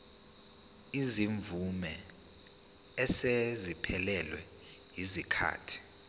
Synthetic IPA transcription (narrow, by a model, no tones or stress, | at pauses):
iziɱvumɛ | sezipʰɛlɛlwɛ̰ | ɦizikʰa̰ːtʰi̥